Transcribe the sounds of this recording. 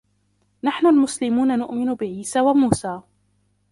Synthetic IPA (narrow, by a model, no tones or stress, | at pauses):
naħnʊlmʊslɪmuːnanʊʔmɪnʊbɪʕiːsaːwamuːsaː